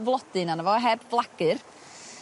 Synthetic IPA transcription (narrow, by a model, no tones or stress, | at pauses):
vlˠɔd̥ɨnanəvɔɦɛbvlˠaɡ̥ɨr